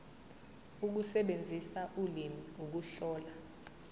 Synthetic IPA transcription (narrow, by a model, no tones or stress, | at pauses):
uk̬usɛɓend͡zʱisaʔulimiuk̬uɬɔːla